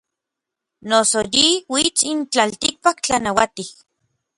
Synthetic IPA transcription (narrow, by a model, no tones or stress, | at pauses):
nosojiwit͡sint͡ɬalt̪ik̚pakt͡ɬanawat̪ih